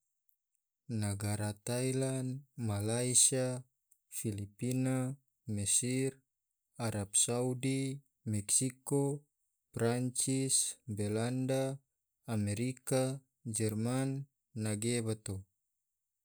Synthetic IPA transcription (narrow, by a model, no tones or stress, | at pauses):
naɡaɾat̪ajlanmalaisia | filipina | mɛsir | aɾapsaudi | mɛksiko | pɾaɲt͡ʃisbɛlandaː | mɛɾika | d͡ʒɛrmanː | aɡeβat̪o